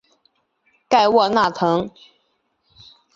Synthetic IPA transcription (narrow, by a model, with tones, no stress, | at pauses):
ka˥˧ɪwɔ˥˧na˥˨t̪ʰɤ˧˥˦ŋ